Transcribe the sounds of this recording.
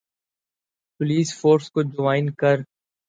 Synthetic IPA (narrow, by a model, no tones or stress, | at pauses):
pʊliːsfoːɾskod͡ʒʊʋaːɪnkɐɾ